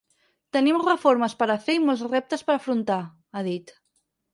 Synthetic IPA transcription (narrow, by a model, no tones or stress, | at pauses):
t̪ənimrəfoɾməspəɾaθeimolzrɛp̚t̪əspəɾafɾunt̪a | aðit̪